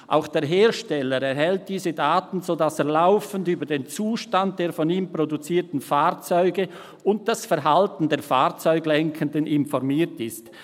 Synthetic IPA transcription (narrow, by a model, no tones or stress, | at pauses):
ʔa̰ʊxd̥eːɐɦeːʁʃtɛləɾɛɾɦɛlt̚d̥iːzədaːtn̩zoːdaseːɐlaʊfəndyːbɐdeːnt͡suːʃtant̚d̥eːɐfɔniːmpʁ̥odut͡siːɐtn̩faːʁt͡sɔʏɡə | ʊnt̚d̥asfɛɐɦaltn̩deːɐfaːʁt͡sɔʏɡlɛŋkʰəndənɪnfɔʁmiːɐtɪst